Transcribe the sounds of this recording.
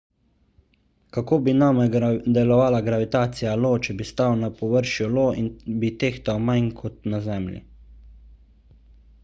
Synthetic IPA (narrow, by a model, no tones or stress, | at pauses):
kakoːbinaːmɛd̪ɛlɔʋaːlaɡɾaʋit̪aːt̪sijaloːt͡ʃɛbist̪awnapɔʋəɾʃjɔloinbit̪eːxt̪awmajnkʰɔt̪nazɛmlʲḭ